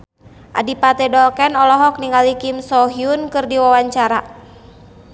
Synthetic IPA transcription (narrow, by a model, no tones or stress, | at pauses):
ʔa̰dipat̪ɛdɔlkɛnɔlɔɦɔk̚niŋalikimsɔɦiunkɨrdiwawaɲt͡ʃaɾa